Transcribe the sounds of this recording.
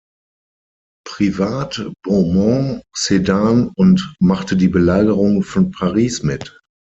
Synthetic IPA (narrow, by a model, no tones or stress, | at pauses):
pʁ̥ivaːtb̥ɔmɔ̃sedaːnʊntmaχtədiːbəlaːɡəʁʊŋfɔnpʰaʁiːsmɪt